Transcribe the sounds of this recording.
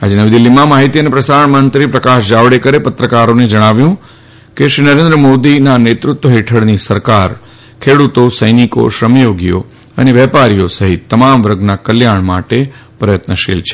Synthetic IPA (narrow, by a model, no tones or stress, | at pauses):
ad͡ʒenəʋid̪ɪlːimãmaɦit̪iənepɾəsaɾəɳmənt̪ɾipɾəkaʃd͡ʒaʋɽekəɾepət̪ɾəkaɾoned͡ʒəɽ̃aʋjũ | keʃɾinəɾẽnd̪ɾəmod̪inanet̪ɾʊt̪ʋəɦeʈʰəɽnisəɾkaɾ | kʰeɽut̪osəjniko̰ʃɾəmjoɡijo̰ | əneʋɛpaɾijosəɦit̪ːəmamʋɾəɡnakəljaɳ̃ma̰ʈepɾəjət̪nəʃḭlt͡ʃʰe̥